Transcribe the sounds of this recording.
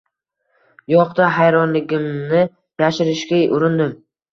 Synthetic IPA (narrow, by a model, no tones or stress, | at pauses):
jɒqd̪aɦajɾɒnlɪɡʲɪmnɪ | jaʃɪɾɪʃkʲaʊɾɪnd̪ɪm